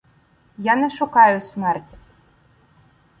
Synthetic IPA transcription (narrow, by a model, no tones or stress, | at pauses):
janɛʂukajʊsʲmɛrt͡sʲ